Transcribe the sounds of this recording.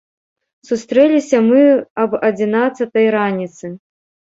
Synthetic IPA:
sust̪ɾɛlʲisʲɐmɨɐbɐd͡zʲinat̪sɐt̪ɐjɾanʲit̪sɨ

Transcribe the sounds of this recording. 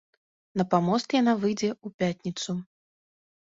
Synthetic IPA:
nɐpamɔst̪janavɨjd͡zʲɛupʲatʲnʲit̪su

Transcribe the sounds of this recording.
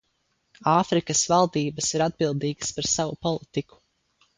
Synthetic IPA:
aːfɾikəsvalˠd̪iːbəsiɾad̪̚bilˠd̪iːɡə̥spaɾsavupɔlˠit̪iku̥

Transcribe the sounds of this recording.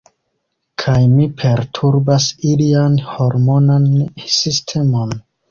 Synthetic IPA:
kʰajmipʰe̞ɾtʰuɾbasilianho̞ɾmo̞nansistʰe̞mo̞n

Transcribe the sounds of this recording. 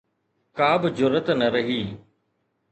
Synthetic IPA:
kaːbɪd͡ʒʊɾət̪nəɾəɦiː

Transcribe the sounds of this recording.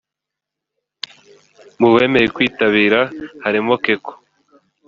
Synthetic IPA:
muβe̞ːme̞jekwiːtaβiːɾahaɾimo̞keko̥

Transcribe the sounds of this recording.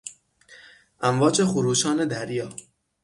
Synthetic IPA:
ʔæmvɒːd͡ʒexʊɾuːʃɒːned̪æɾjɒː

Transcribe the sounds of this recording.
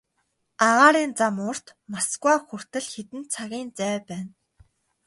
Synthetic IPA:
aʁaːɾiːnt͡samʊr̥t̪masɡwaːxur̥t̪ɘ̆ɮxet̪ɘ̆nt͡sʰaɣʲiːnt͡sæːpæːn

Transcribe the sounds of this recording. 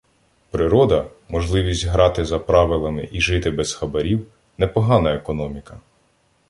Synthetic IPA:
pɾɪɾɔd̪ɐ | mɔʒlˠɪʋʲisʲtʲɦɾɑt̪ɪzɐpɾɑʋɪlˠɐmɪ̰ʔiʒɪt̪ɪbɛz̥xɐbɐɾʲiw | nɛpɔɦɑnɐekɔnɔmʲikɐ

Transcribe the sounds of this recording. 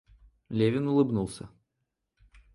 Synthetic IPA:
lʲevʲɪnʊlˠɨbnulˠsʲə̰

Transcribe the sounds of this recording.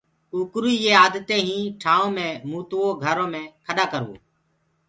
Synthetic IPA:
uːkɾiːeːaːd̪t̪ẽːɦĩːʈʰaːõːmẽːmũːt̪ːõːɡʱəɾõːmẽːkʰəɗaːkəɾṵ̃ː

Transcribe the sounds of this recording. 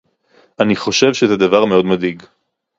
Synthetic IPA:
aniχo̞ʃe̞vʃezed̪avaʁme̞o̞d̪mad̪iɡ

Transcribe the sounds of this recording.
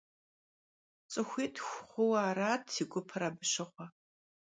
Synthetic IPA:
t͡sʼɨxʷiːtʰʼxʷχʷʊwaːraːtʰːiɡʷʊpʰɨraːbɨʃɪχʷɐ

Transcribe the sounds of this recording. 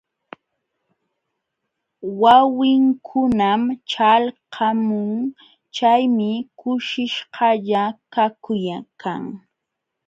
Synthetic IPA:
wawɪŋkʰʊnamt͡ʃalqʰɑmʊŋ | t͡ʃajmɪkʊʃɪʃhɑʎakakʊjakʰa̰ŋ

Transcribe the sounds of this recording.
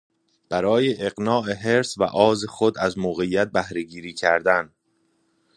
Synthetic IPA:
b̥æɾɒːje̞ʔeɣnɒːʔe̞ɦe̞ɾsvæ̰ʔɒːzexod̪æzmoːɣejːæt̪̚bæhɾe̞ɟiːɾiːcʰæɾd̪æn

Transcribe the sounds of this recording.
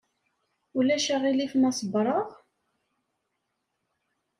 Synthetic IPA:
ulæʃaʁilifmɑsˤəbɾˤəʁ

